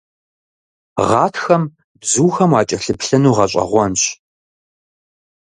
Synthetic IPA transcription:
ʁɑːtʰxɐm | bzuːxɐmɑːt͡ʃʼɐɬɨpɬɐnuːʁɐɕʼɐ̰ʁʷɔnɕ

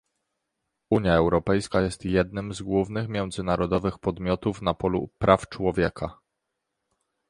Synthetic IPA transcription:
uɲjaɛwɾɔpɛjskajɛst̪jɛd̪̚nɘmzɡwuvnɘxmʲjɛw̃d̪zɘnaɾɔd̪ɔvɘxpɔd̪mʲjɔt̪ufnapɔlṵpɾʔaft͡ʂwɔvʲjɛkʰa

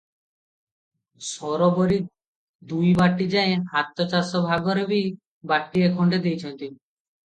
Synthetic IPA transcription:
sɔɾoboɾi | d̪ujbaʈːid͡ʑɛeɦat̪ːot͡ɕasobʱaɡoɾebi | baʈːiekʰoɳɖed̪ejt͡ɕʰent̪ini

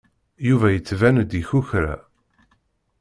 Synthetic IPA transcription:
juvæjət͡sːvænd̪içuçɾa̰

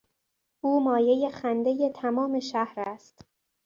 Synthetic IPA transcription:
ʔuːmɒːje̞je̞xænd̪e̞je̞t̪ʰæmɒːme̞ʃæhɾæst̪

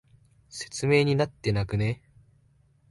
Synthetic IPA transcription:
se̞̥t͡sɨme̞ːɲ̟inat̪ːe̞nakɯ̟ne

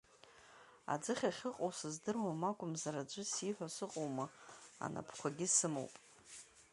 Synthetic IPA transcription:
a̰d͡zɨχʲaχʲɪqʼowsɨzdɨrwamakʷʼʊmzaɾad͡ʒʷʊsiħʷᶣasɨqʼowmaa̰nʔa̰pʰkʷʰaɡʲɪsɨmo̰wpʼ

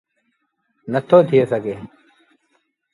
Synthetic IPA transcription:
nət̪ʰːoːt̪ʰɪjeːsəɡeː

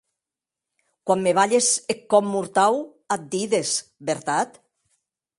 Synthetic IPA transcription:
kwamːeβaʎesekːɔmːuɾt̪aw | at̪̚d̪iðesbeɾt̪at̪

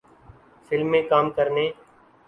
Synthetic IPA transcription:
fɪlmẽːkaːmkəɾneː

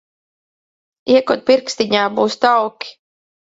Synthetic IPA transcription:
iɛkut̪̚pʲiɾkst̪iɲaːbuːst̪awkʲi̥

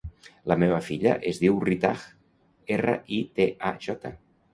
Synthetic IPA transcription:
ləmeβ̞əfiʎə̰ʔezðiwrit̪ax | erə̰ʔit̪eʔaʒɔt̪ə

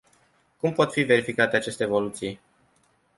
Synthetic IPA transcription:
kumpo̞t̪five̞ɾifikat̪e̞at͡ʃe̞st̪eːvolut̪sij

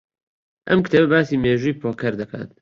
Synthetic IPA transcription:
ʔɐ̰mkɨt̪ʰeːbɐbaːsiːmeːʒujpʰoːkʰɐɾd̪ɐkʰa̰ːt̪

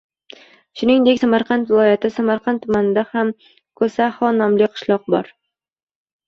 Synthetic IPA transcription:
ʃʊnɪŋd̪ekʲsamaɾqʰɑnt̪vɪlˠɒjat̪ʰɪsamaɾqʰɑnt̪ʰːʊmanɪd̪aham | kʰɵsahɒnɒmlɪqʰɨ̥ʃlˠɒq̚bɒ̰ɾ

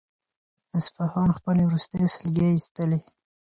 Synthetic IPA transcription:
ɪsfahɑnxpəlewɾust̪esɪlɡeist̪əle

